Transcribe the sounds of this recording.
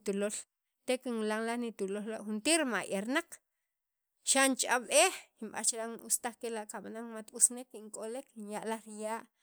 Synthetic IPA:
t̪ulol | t̪ekiŋlaŋlaχnit̪ulollaʔxunt̪iɾmaʔeɾnaq͡χ | ʃant͡ʃʔaɓeximɓa̰t͡ʃlaŋnṵst̪aχkelaʔkaɓanaŋmat̪usnekiŋkʼoleknjaʔlaxɾijaːʔ

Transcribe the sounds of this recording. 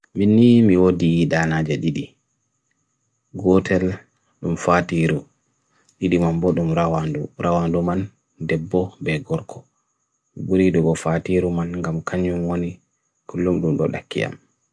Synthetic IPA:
minːimiwodiɗanad͡ʒaɗiɗi | ɡɔtʰɛl | ɗumfatiɾu | ɗiɗimambɔɗumɾawanduɾʔawanduman | dɛbːɔbɛɡɔɾkʰɔ | buɾidɔɡɔfatiɾumanŋɡamkʰaɲumwoni | kulːumɗumɗɔ̰ɗa̰kːḭja̰m

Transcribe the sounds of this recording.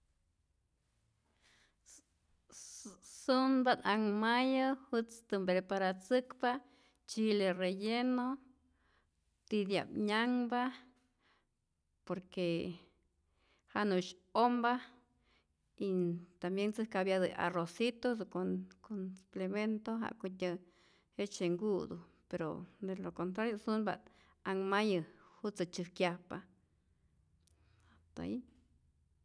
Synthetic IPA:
sunbanaŋmajahɨt͡st̪ɨmbɾepaɾat͡sɨkpa | t͡ʃilerejeno | t̪id̪ja̰pɲaŋba | poɾke | hanuʃomba | it̪ambjent͡sɨhkabjad̪ɨʔa̰rosit̪os̬konkonsu̥plement̪oɦa̰ʔkut̪ʲə | het͡ʃeŋɡud̪u | peɾo̰d̪elokont̪ɾaɾjosunba̰t̪ | aŋmajɨhut͡sɨt͡ʃɨhkjahpa | at̪a̰i

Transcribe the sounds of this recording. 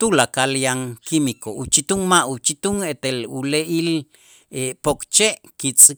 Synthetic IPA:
t̪ulakaljaŋkimikoʔut͡ʃit̪uŋmaʔut͡ʃit̪uŋet̪eluleʔil | epokt͡ʃeʔkit͡sʼ

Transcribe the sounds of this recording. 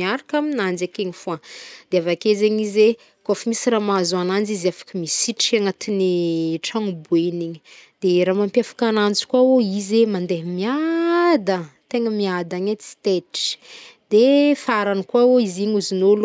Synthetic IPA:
aɾakaminand͡ʒekeɲifuad̪̥eavakezeɲize | kafimisramazanand͡ʒiziafḁkəmisiʈ͡ʂaŋat̪ineʈ͡ʂaŋubueniɲəd̪̥eɾamampjafḁkanant͡si̥kwaoizemand̪eɦəmiad̪ət̪eŋəmiad̪aɲet͡si̥t̪eʈ͡ʂi̥d̪efaɾanikwaoiziɲuzinol

